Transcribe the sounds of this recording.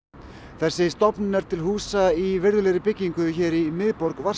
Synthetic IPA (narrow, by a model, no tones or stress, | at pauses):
θɛsːɪst̪ɔpnnɛɾ̥t̪ʰɪlɦuːsaivɪɾðʏlejɾɪpɪcːiŋkʏçɛːɾimɪðpɔɾkva